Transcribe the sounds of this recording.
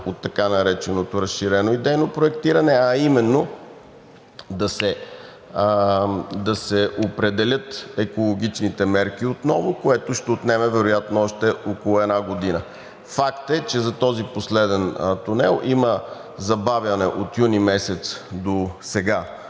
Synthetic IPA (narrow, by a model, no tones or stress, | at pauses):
ot̪ːɐkanɐɾɛt͡ʃɛnot̪oɾəsʃiɾɛnoid̪ɛjnopɾoɛkt̪iɾɐnɛɐimɛnːo | d̪ɐsɛ | d̪ɐsɛopɾɛd̪ɛlʲɤt̪ɛkolˠoɡ̟ʲit͡ʃnit̪ɛmɛɾk̟iot̪nɔvokoɛt̪oʃt̪ɛot̪nɛmɛvɛɾojat̪noɔʃt̪ɛokolˠʊɛd̪naɡod̪inə | fakt̪ɛt͡ʃɛzɐt̪ɔziposlɛd̪ɛnt̪unɛlˠʔimə | zɐbavʲjɐnɛʔot̪junimɛsɛt̪sd̪osɛɡa